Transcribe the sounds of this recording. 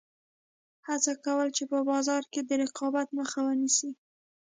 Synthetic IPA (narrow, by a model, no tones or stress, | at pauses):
hat͡sakawəlt͡ʃepəbɑzɑɾked̪əɾɪqɑbat̪məxawənisi